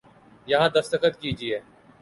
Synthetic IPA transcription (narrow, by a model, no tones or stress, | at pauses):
jɐɦãːd̪ɐft̪əxət̪kiːd͡ʒiɛː